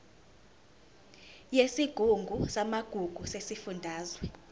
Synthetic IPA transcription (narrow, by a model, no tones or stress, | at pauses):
jesiɡ̥ʱuŋɡʱusamaɡ̥ʱuɡ̥ʱusesifundʱaːzwɛ